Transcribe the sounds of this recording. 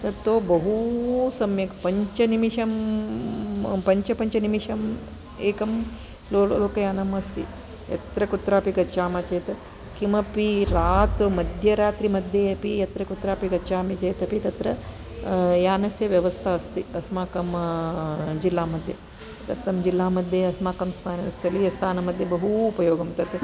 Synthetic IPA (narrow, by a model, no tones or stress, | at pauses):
t̪ɐt̪ːʋoːbɐɦusɐmjɐkɐpɐɲt͡ʃɐnimiʂɐm | pɐɲt͡ʃɐpɐɲt͡ʃɐnimiʂɐm | eːkɐm | loːɭloːkɐjaːnɐmɐst̪i | jɐ̰t̪ɾɐkut̪ɾaːpiɡɐt͡ʃaːmɐt͡ʃeːt̪ɐ | kimɐpiɾaːt̪ɾumɐd̪ʱjɐɾaːt̪ɾimɐd̪ʱjeɐpijɐt̪ɾɐkut̪ɾaːpiɡɐt͡ʃaːmit͡ʃeːt̪ɐpit̪ɐt̪ɾɐ | jaːnɐsjɐʋjɐʋɐst̪ʰɐɐst̪iɐsmaːkɐm | d͡ʒilːaːmɐd̪ʱjɐ̰ | t̪ɐɾt̪ʰɐmd͡ʒilːaːmɐd̪ʱjɐɐsmaːkɐmsʋaːnɐɐst̪ʰiɐlijɐst̪ʰaːnɐmɐd̪ʱjɐbɐɦuːpɐjoːɡɐmt̪ɐt̪e